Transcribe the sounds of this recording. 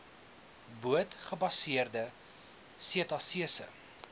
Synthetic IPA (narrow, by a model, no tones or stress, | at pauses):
buətχəbɐsiərdə | siətɑsiəsə̰